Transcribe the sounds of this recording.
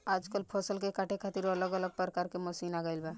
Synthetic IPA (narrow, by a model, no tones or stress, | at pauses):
aːd͡ʒkəlpʰosəlkekaʈʰekʰat̪iɾələɡələɡ̚pəɾkaɾkemosiːnaɡəilba